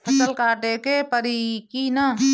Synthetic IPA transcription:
ɐsəlkaːʈekepəɾikina

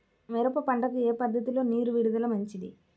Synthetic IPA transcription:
ʋeɾɐpːɐpɐɳɖɐkueːpɐd̪ʱːɐt̪ilo̞ːniːɾuʋiɽud̪ɐlɐmɐɲt͡ʃid̪ḭ

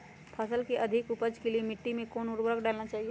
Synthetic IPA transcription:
pʰəsəlkeʔɐd̪ʱɪkʊpəd͡ʒkeliemɪʈːimẽkoːnʊɾbɾəkɖaːlnat͡ʃaːɦie

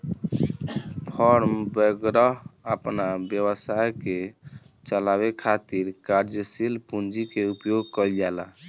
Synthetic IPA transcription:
pʰɔɾmbəɡɾəɦəpnabjəβəsajke | t͡ʃəlabekʰat̪iɾkaɾd͡ʒsilpund͡ʒikeupjoɡ̚kəld͡ʒala̰

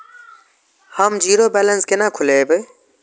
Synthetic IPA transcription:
hamd͡ʒiːɾoːbɛːlənskɪnãːkʰʊleːbe

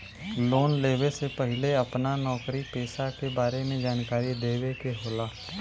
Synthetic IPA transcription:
loːnleːʋesepəɦɪleɐpnanɔːkɾipeːsakebaːɾemẽd͡ʒaːnkaːɾid̪eːwekeɦoːlaː

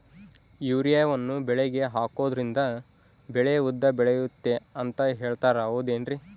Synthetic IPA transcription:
juːɾijaːjɐʋɐnːubɛɭeɡe̞ɦaːko̞ːd̪ɾind̪ɐ | bɛɭeud̪ːɐbɛɭejut̪ːe̞ɐnt̪ɐɦe̞ːɭt̪aːɾɐoːd̪eːnɾi

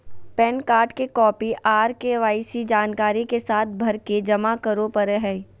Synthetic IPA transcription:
pɛːnkaːɾʈkekɔːpiʔaːɾkeʋaːɪsid͡ʒaːnkaːɾikesaːt̪̚ʰbʱɐɾked͡ʒɐmakɐɾõpɐɾɦɛi

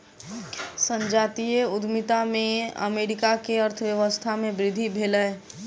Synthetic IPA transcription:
sə̃ɲd͡ʒaːt̪ieʊd̪ʱmit̪amẽə̰meːɾɪkakeəɾt̪ʰəwjəʋəst̪ʰamẽbɾɪd̪ʱibʱeːlɛː

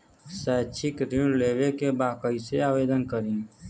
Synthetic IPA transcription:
sɛːt͡ʃʰɪkɾileːʋekebaːkəiseaːʋeːd̪ənkəɾin

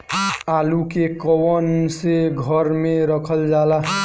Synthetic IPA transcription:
alukekəwənseɡʱəɾmeɾəkʰəld͡ʒala

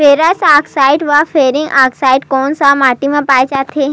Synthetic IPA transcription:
feɾasaksaiʈʋafeɾiŋɡaksaiʈkɔnsamaʈimãpaːjt͡ʃat̪ʰe

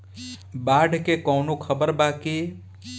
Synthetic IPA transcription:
baːɖʱkekɔːnokʰəbəɾbaːki

